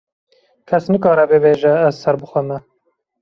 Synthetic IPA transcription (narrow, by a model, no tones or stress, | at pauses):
kʰɛsnɨkɑːɾɛbɨbeːʒɛːzsɛɾbɨxʷɛmɛ